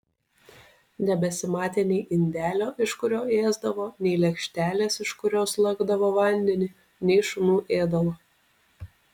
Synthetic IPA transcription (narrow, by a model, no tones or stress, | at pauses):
nʲɛbʲɛsʲɪmɑːt̪ʲenʲɛɪʔɪnʲd̪ʲæːlʲoːʔɪʃkʊɾʲoːeːzd̪ɐʋoːnʲɛɪlʲɛkʃʲt̪ʲæːlʲeːsɪʃkʊɾʲoːslˠɐɡd̪ɐʋoːʋɐnʲd̪ʲɛnʲɪ | nʲɛɪʃʊnuːʔeːd̪ɐʋoː